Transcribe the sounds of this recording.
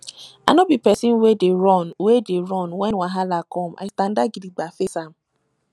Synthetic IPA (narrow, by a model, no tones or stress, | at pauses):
anɔbipɛsĩnwedeɹɔnwedeɹɔnwɛ̃nwaɦalakɔma̰ɪstãndaɡidiɡ͡bafesam̩